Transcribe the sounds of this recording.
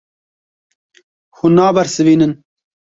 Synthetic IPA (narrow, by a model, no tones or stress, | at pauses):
xunɑːbɐɾsɨviːnɨn